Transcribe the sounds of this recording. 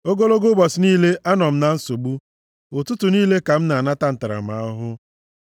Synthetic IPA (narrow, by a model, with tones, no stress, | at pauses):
o˦ɡo˦lo˦ɡo˦bɔ˨sniː˦le˦ʔa˦nɔ˨m̩˦na˨n̩˦so˨ɡ͡bu˦ | ʊ˨tʊ˦tʊ˨niː˦le˦ka˨m̩˦na˨a˨na˦ta˦n̩˨ta˨ɾa̰˨m̩˨a̰˨˦ɔ˦ɦʊ˦